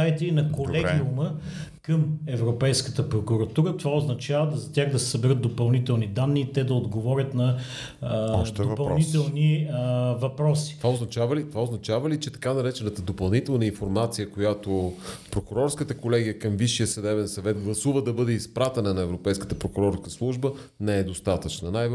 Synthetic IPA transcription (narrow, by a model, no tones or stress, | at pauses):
aɛt̪ɛinɐkkolɛiuməkəmɛvɾopɛjskət̪əpɾokuɾɐt̪uɾət̪ovaoznɐt͡ʃavəd̪zɐt̪ʲaɣd̪ɐsɛ̥səbɛɾɤt̪̚d̪opɐlˠnit̪ɛlˠnid̪anːiːt̪ɛd̪ɐod̪ɡovɔɾʲət̪nɐ | d̪opɐlˠnit̪ɛlˠni | vɐpɾɔsi̥ovaoznɐt͡ʃavəlit̪ovaoznɐt͡ʃavəlit͡ʃɛt̪ɐ̥kanɐɾɛt͡ʃɛnət̪əd̪opɐlˠnit̪ɛlˠnəinfoɾmat̪sijəkojat̪opɾokʊɾɔɾskət̪əkolɛɡijəkɐmviʃijəsɐd̪ɛβɛnsɐvɛt̪̚ɡlˠɐsuvəd̪ɐbɤd̪ɛispɾat̪ɛnənɐɛvɾopɛjskə̥t̪əpɾokʊɾɔɾskəslˠuʒbə | nɛɛd̪ost̪at̪ət͡ʃnənaj